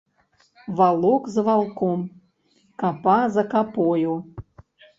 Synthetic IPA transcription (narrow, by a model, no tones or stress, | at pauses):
βɑlˠokzəβɑlˠkom | kɑpɑzakɑpojo